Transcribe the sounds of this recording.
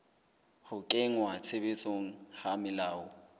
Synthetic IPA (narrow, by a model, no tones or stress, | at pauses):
hʊkʼɪŋwat͡sʰɪbɪsoŋ̩hamɪlaːʊ